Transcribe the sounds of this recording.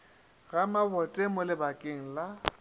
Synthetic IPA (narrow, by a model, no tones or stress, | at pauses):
ɣamabɔtʼemʊlɪbakʼɪŋ̩la